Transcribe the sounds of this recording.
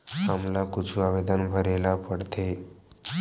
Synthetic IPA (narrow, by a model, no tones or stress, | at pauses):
ɦamlakut͡ʃʰuaʋed̪ənbʱəɾelapəɽt̪ʰe